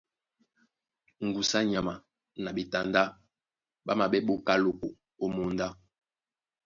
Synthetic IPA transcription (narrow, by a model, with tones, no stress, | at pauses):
ŋ̩˨ɡu˨sa˦ɲa˨ma˨ | na˨bi˨ta˨nda˦ | ɓa˦ma˨ɓɛ˦ɓo˦ka˦lo˨ko˨ | o˦mo˨nda˦